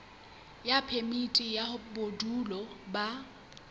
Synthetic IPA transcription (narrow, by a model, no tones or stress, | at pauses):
japʰemitʼijabodulɔba